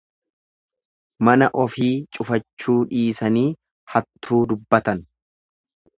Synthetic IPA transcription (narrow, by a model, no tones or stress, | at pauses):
mɐnɐʔɔfiːt͡ʃʼʊfɐt͡ʃːuːᶑiːsɐniː | hɐt̪ːuːd̪ʊbːɐt̪ɐn